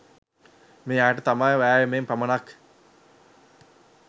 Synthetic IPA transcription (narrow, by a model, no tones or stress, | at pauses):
meːaːʈət̪amajʋæːʋemempɐmənak